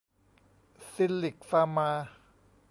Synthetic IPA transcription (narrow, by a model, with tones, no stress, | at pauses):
si˧˥lli˨˩k̚faː˧maː˧